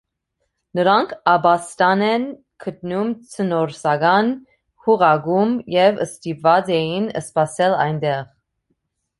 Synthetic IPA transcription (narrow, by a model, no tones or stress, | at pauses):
nəɾɑŋkʰɑbɑst̪ɑnɛn | kʰət̪numt͡sʰənɔɾsɑɡɑn | huʁɑɡumjɛvə̰st̪ipvɑd͡zɛjinə̰spɑsɛlɑ̰jnd̪ɛʁ